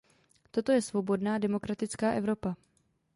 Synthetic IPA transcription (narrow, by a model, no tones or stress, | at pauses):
t̪o̞t̪o̞jɛsvo̞bo̞dnaːdɛmo̞kɾat̪ɪt͡skaːʔɛvɾo̞pa